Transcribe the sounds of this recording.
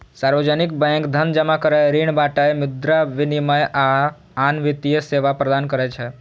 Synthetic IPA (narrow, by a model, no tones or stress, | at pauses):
saɾʋəd͡ʒənik̚bɛ̃ŋkd̪ʱənd͡ʒəmakəɾəɾiɳbaʈəjmɪd̪ɾaʋɪniməjʔa | anʋɪt̪ijəseʋapɾəd̪ankəɾɛt͡ʃʰɛ